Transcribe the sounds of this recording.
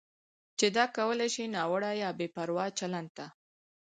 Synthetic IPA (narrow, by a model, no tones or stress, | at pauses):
t͡ʃed̪ɑkawəlajʃinɑwəɽajɑbepaɾwɑt͡ʃaland̪̚t̪a